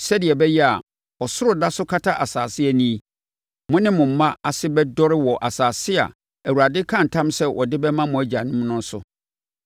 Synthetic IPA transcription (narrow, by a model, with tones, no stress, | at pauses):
sɛ˦dɪ˨ɛ˨bɛ˦jɛ˦a˨ | ɔ˨sʊ˦ɾʊ˨da˦sʊ˦kʰa˦tʰa˦ʔa˨saː˨sɪ˦ɛ˨nĩ˦˨ | mʊ̃˦nɪ̃˦mʊ̃˨m̩˦mːã˦a˨sɪ˦bɛ˦dɔ˦ɾɪ˦wɔ˨ʔa˨saː˨sɪ˦a̰˨ | æ˨wu˨ɾa˨dɪ˦kʰã˦n̩˨tʰã˦msɛ˦wʔɔ˨dɪ˦bɛ˦mã˦mʊ̃˨æ˨d͡ʑa˨nʊ̃˦m˦nʊ̃˦n̩˦sʊ̰˨